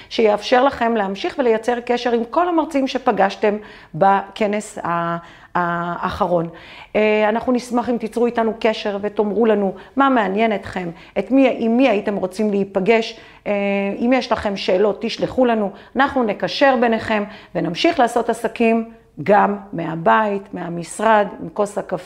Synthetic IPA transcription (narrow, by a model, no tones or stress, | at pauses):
ʃejeafʃe̞ʁlaχe̞mleamʃiχvelejat͡se̞ʁke̞ʃe̞ʁimko̞lamaʁt͡simʃe̞paɡaʃte̞m | bake̞ne̞shaː | χaʁo̞n | anaχnunismaχimt̪it͡sʁuitanuke̞ʃe̞ʁveto̞mʁulanumameanje̞net̪χe̞m | etmiimːiaite̞mʁo̞t͡simleipaɡe̞ʃ | eimjeʃlaχe̞mʃe̞ːlo̞t̪ːiʃleχulanuanaχnune̞kaʃe̞ʁbe̞neχe̞mvenamʃiχlaːso̞tasakim | ɡamːeabaitmeamisʁadmko̞sakaf